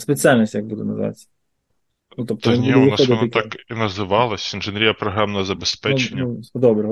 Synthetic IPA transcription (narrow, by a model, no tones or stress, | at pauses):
spet͡sʲialʲnʲisʲtʲjɐɡ̚bud̪ɛ̰nɐ̰z̰ʋɑ̰t͡sʲː | nut̪ɔp̚t̪inʲuɛʋɪnɔsnt̪akinɐzɪʋɑlˠɐsʲinʒɪnʲɾʲijɐpɾɔɦɾamnɐɐzɐbespɛt͡ʃnʲːɐd̪ɔbɾɛɦ